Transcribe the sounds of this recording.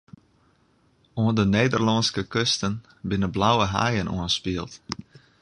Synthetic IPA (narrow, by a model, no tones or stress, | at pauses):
oəndəneːdərlɑnskəkøstən | bɪnəblawəɦa̰jənṵənspiəlˠt